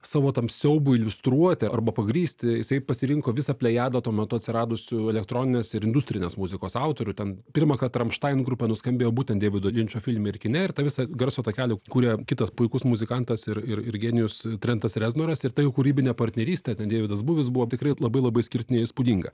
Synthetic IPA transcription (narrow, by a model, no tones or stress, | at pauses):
sɑːʋoːt̪ɐmssʲɛʊbʊɪlʲʋʲʊst̪ɾuɔt̪ʲɪɐɾbɐpɐɡɾʲiːsʲt̪ʲɪjɪsɐɪpɐsʲɪɾʲɪŋkoːʋʲɪsɐpʲlʲɛjæːd̪ɐt̪uɔmʲɛt̪ʊɐt̪ʲsʲɪɾɑːd̪ʊsʲʊɛlʲɛkt̪ɾoːnʲɪnʲeːsɪɾɪnd̪ʊsʲt̪ʲɾʲɪnʲeːsmuzʲɪkoːsɐʊt̪oːɾʲʊtʲɛnpʲɪɾmɐkɐt̪ɾɐmʃt̪ɐɪnɡɾupʲɛnʊsʲkɐmʲbʲeːjoːbuːt̪ʲɛnd̪ʲeːʋʲɪd̪olʲɪnʲt͡ʃʲoːfʲɪlʲmʲɛɪrkʲɪnʲɛɪrt̪ɐʋʲɪsɐɡɐrsoːt̪ɐkʲæːlʲɪkuːɾʲɛkʲɪt̪ɐspʊɪkʊsmʊzʲɪkɐnt̪ɐsɪɾɪrɪɾɡʲeːnʲɪjʊst̪ʲɾʲɛnt̪ɐsrʲɛznoːɾɐsɪɾt̪ɐjɛʊkʊɾʲiːbʲɪnʲɛːpɐrʲt̪ʲnʲɛɾʲiːsʲt̪ʲɛːtʲɛnd̪ʲeːʋʲɪd̪ɐsbuːʋʲɪs̬bʊʋoːt̪ʲɪkrɐɪlˠɐbɐɪlˠɐbɐɪsʲkʲɪrʲt̪ʲɪnʲɪɪspʊd̪ʲiŋɡɐ